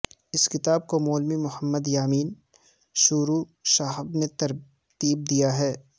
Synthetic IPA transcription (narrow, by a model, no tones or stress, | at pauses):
ɪskɪt̪aːb̚komɔːlmimʊhəmːəd̪jaːmiːn | ʃuːɾuʃaːɦɪbnet̪ɐɾ | t̪iːb̚d̪ijaɦɛː